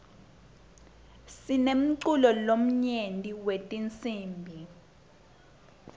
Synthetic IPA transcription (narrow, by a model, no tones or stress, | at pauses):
sinem̩ǀulɔlom̩ɲendʼiwetʼint͡sʼiːmbʱi